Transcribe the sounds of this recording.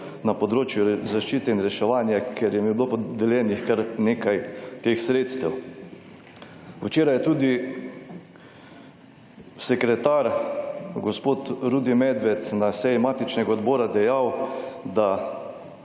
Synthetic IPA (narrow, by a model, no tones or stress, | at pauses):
napɔd̪ɾoːt͡ʃjuzaʃt͡ʃiːt̪ɛinɾɛʃɛʋaːnjakʰɛɾjɛmibloːpɔd̪ɛljɛːnixkaɾneːkajt̪eːxsɾeːt̪st̪ɛw | wt͡ʃeːɾajɛt̪uːd̪i | sɛkɾɛt̪aːɾ | ɡɔspoːt̪ɾuːd̪imɛd̪ʋɛt̪nasɛjimaːt̪it͡ʃnɛɡaɔd̪bɔːɾad̪ɛjawd̪a